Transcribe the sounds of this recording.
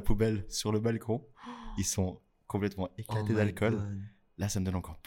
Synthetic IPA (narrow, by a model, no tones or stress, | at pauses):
pubɛlsyʁləbalkʰɔ̃ilsɔ̃ | kɔ̃plɛt̪mɑ̃eklat̪ed̪alkɔlː | asaməd̪ɔnɑ̃kɔʁp